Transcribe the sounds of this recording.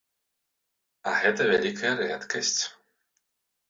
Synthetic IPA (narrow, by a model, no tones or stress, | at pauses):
ɐɣɛt̪ɐvʲælʲikʰɐjɐɾɛt̪kɐsʲt͡sʲ